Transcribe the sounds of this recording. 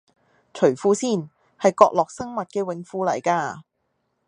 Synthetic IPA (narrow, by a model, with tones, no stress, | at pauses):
t͡ʃʰɵ˨˩ɥfuː˧˥siː˥˩n | hɐ˨jkɔː˧k̚lɔː˨k̚sɐ˥ŋmɐ˨t̚kɛː˧wɪ˨˥ŋfuː˧lɐ˨˩jkaː˧